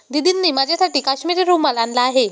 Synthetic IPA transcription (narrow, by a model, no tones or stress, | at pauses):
d̪id̪inːiːmad͡ʑʱjasaʈiːkaɕmiɾiɾomalanlaːɦe